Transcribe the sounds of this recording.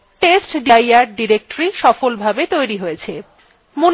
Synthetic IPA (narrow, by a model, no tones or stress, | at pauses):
ʈesʈɖijaɾɖiɾek̚ʈoɾiʃɔfolbʱabet̪ojɾiɦojet͡ɕʰe | mun